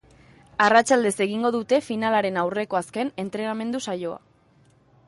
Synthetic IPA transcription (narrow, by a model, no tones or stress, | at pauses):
arat͡ʃald̪e̞se̞ɣ̞iŋɡo̞ð̞ut̪e̞finalaɾe̞nawre̞ko̞aske̞ne̞nt̪ɾe̞name̞nd̪usajo̞a̰